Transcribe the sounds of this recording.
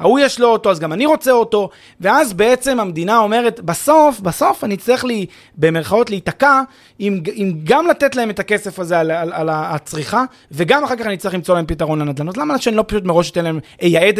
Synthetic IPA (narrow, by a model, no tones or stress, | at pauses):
ha̰ujaʃlooto̞azɡamaniʁo̞t͡seo̞to̞ | veazbeet͡se̞mamed̪inao̞me̞ʁetbaso̞fbaso̞fanit͡siaχli | be̞meʁχao̞tleitaka | imimɡamlate̞tlae̞me̞take̞se̞fazealaalat͡sʁiχa | ve̞ɡamaχaʁkaχanit͡sliχlimt͡so̞laempitaʁo̞nlanad̪lanotlamaaʃeanilo̞paʃut̬meʁo̞ʃit̪enlaemejaed